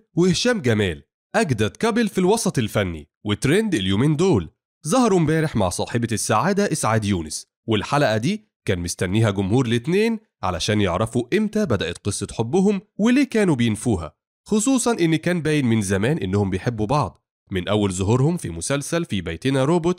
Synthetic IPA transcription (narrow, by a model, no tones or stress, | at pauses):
wehʃæːmɡæmæːl | ʔæɡd̪ɑɾˤt̪̚kæbelfilwɑsˤɑt̪ˤelfænːḭ | wet̪ːɾend̪eljoːmeːnd̪oːl | zˤɑhɑɾumbæːɾeħma̰ʕsˤɑːħebsːaʕaːd̪æʔɪsʕaːd̪juːnɪs | welħalæʔæd̪iː | kæːnmest̪ænːiːhæɡʊmhuːɾlet̪neːn | ʕa̰læʃæːnjeʕɾˤæfuʔemt̪æbæd̪æʔæt̪qɨsˤːɑt̪ħobːʊɦomweleːkæːnubejenfuːɦæ̰ | xosˤuːsˤɑnʔɪnːikæːnbæːjɪnmɪnzæmæːnʔenːʊhombejħebːubɑʕd̪ˤ | mɪnʔæwːælzoɦuɾhʊmfimʊsælsælfibæjt̪enæɾoːbot̪